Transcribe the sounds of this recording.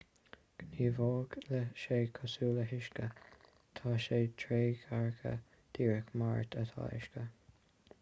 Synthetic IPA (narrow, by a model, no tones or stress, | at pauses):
ɡ̥niːvoːɡləʃeːkʰɔsuːləɦɪʃkə | t̪ʰɑːʃeːt̪ʰɹeːɡʰaɹkʰə̰ | d̪̥iːɹəkmaɹt̪ʰət̪ʰɑ̰ːhɪ̰ʃkə